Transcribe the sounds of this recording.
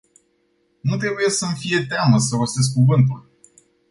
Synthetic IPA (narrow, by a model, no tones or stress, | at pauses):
nut̪ɾe̞buje̞səmfije̞t̪eaməsəvoses̬kuvɨnt̪̬ul